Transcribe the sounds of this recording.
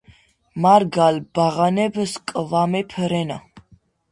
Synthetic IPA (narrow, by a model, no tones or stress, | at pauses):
maɾɡalb̥aʁanɛbəskʼəvamɛpʰəɾɛna